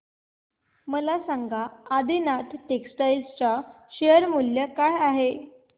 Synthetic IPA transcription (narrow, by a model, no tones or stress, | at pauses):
məlasaŋɡaːd̪ʱinat̪ʰʈeksʈajlst͡ɕa | ɕejəɾmuljəkajaɦe